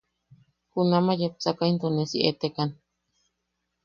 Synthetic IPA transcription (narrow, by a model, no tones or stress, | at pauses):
kunamajep̚sakaint̪onesiʔet̪ekan